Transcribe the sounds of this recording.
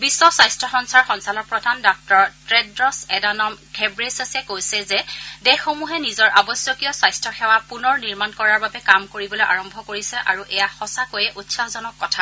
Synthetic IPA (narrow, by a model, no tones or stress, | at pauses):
bisːɔsajstʰɔxɔnsaɹxɔnsalɔɹpɹɔdʱandɔk̚tɔɹtɹedɹɔsɛdanɔmɡʱɛbɹesasɛkojsɛzɛdɛxːomuɦɛnizɔɹʔabɔsjɔkijɔsajstʰɹɔxɛwapunɔɹniɹmankɔɹaɹbabɛkamkoɹibɔlojʔaɹɔmbʱɔkoɹisɛʔaɹuʔɛjaxɔsakojɛʔutsaɦɔzɔnɔkːɔtʰa